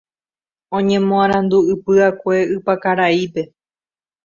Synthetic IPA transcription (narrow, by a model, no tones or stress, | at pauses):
õ̞ɲẽ̞mõãɾ̃ãnd̪uɨpɨakʷe̞ɨpakaɾaipe̞